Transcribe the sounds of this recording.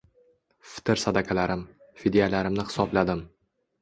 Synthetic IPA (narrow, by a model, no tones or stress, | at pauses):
fɪ̥t̪ɪɾsad̪akʲʰalaɾɪm | fed̪ijalaɾɪmnɪhɪ̥sɒblad̪ɪm